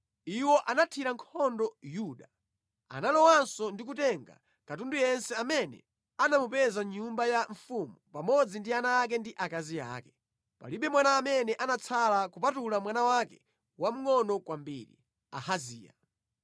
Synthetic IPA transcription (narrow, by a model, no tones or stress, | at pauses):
iwɔʔanatʰiɾaŋkʰɔndɔjuɗa | a̰nalɔwansɔndikutɛŋɡa̰ | katundujɛnsɛamɛnɛ̰ | anamupɛzaɲumbajaɱfumupamɔd͡zindianaːk̬ɛndiʔakazia̰ːkɛ | pa̰liɓɛmwanaːmɛnɛʔanat͡sʰalakupatulamwanawakɛ | wam̩ŋɔnɔkwambḭːɾḭ | a̰haziːja̰